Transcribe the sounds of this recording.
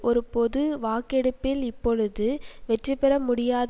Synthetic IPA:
ʔɔɾɯpɔðɯʋaːkɛɽɯpːɪlɪpːɔɻɯðɯʋɛʈːrɯpːɛɾɐmʊɽɪjaːð

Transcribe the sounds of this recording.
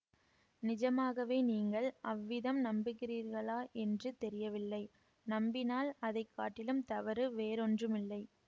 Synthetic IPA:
nɪd͡ʒɐmaːɣɐʋeːniːŋɡɐɭʔɐʋːɪðɐmnɐmbɪkːɪɾiːɾɣɐɭaːʔɛndrɯt̪ɛɾɪjɐʋɪlːɐɪ | nɐmbɪnaːlɐðɐɪkːaːʈːɪlɯmt̪ɐʋɐɾɯʋeːɾɔndrɯmɪlːɐɪ

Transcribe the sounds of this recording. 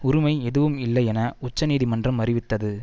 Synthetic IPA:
ʊɾʊmɐɪɛðɯʋɯmɪlːɐjɛnɐʊt͡ʃːɐniːðimɐndrɐmɐɾɪʋɪt̪ːɐðɯ

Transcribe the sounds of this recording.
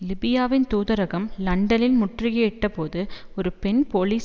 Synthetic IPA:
lɪbɪjaːʋɪnt̪uːðɐɾɐɣɐmlɐɳɖɐlɪlmʊʈrɪjeɪʈːɐpoːðɯɔɾɯpɛnpoːliːs

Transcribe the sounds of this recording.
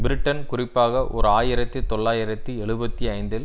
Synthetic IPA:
bɪɾɪʈːɐnkʊrɪpːaːɣɐʔɔ̰ɾɯaːjɪɾɐt̪ːɯt̪ɔɭːaːjɪɾɐt̪ːɯɛɭɯbɐt̪ːiɐɪnd̪ɪl

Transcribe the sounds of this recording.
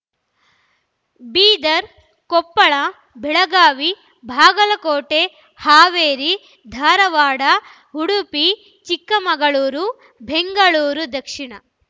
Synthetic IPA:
biːd̪ɐɾ | kɔpːɐɭɐ | bʱɛɭɐɡaːʋi | bʱaːɡɐlɐkoːʈe | haːʋeːɾi | d̪ʱaːɾɐʋaːɽɐ | ɦuɽupi | t͡ʃikːɐmɐɡɐɭuːɾu | bʱeŋɡɐɭuːɾud̪ɐkʂiɳɐ

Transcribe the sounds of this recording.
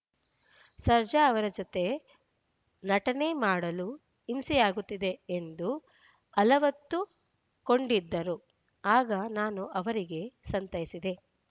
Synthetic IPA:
sɐɾd͡ʒɐːʋɐɾɐd͡ʒot̪e̞ | nɐʈɐne̞maːɽɐlu | imsɛjaːɡut̪ːid̪e̞end̪u | ɐlɐʋɐt̪ːu | ko̞ɳɖid̪ːɐɾu | aːɡɐnaːnuʔɐʋɐɾiɡe̞sɐnt̪ɐjisid̪e̞

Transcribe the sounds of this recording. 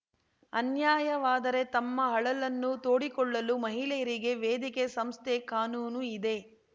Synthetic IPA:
ɐnjaːjɐʋaːd̪ɐɾe̞t̪ɐmːɐɦɐɭɐlɐnːut̪oːɽikɔɭːɐlumɐɦilɛjɐɾiɡe̞ʋeːd̪ikesɐmst̪ʰekaːnuːnuid̪e̞

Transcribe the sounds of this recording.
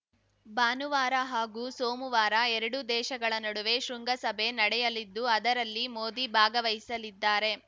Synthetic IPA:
baːnuʋaːɾɐɦaːɡuːsoːmuʋaːɾɐɛɾɐɽud̪ɛːʃɐɡɐɭɐnɐɽuʋe̞ʃɾuŋɡɐsɐbʱe̞nɐɽɛjɐlid̪ːuɐd̪ɐɾɐlːimoːd̪ibʱaːɡɐʋɐjisɐlid̪ːaːɾe̞

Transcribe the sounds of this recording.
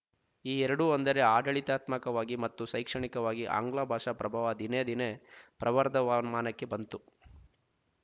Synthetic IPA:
iːɛɾɐɽuond̪ɐɾe̞aːɖɐɭit̪aːt̪mɐkɐʋaːɡimɐt̪ːusɐjkʂɐɳikɐʋaːɡiʔa̰ːŋɡɭaːbʱaːʂapɾɐbʱaːʋɐd̪ined̪inepɾɐʋɐɾd̪ʱɐʋanmaːnɐkːe̞bɐnt̪u

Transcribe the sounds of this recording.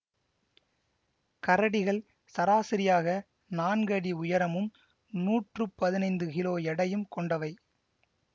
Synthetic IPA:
kɐɾɐɽɪɣɐɭ | sɐɾaːsɪɾɪjaːɣɐ | naːnɡɐɽiʊjɐɾɐmɯm | nuːʈrɯpːɐðɪnɐɪnd̪ɯkɪloːjɛɽɐjɯmkɔɳɖɐʋɐɪ

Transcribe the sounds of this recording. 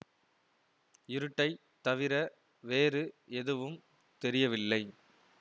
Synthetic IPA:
ɪɾɯʈːɐɪ | t̪ɐʋɪɾɐ | ʋeːɾɯɛðɯʋɯm | t̪ɛɾɪjɐʋɪlːɐɪ

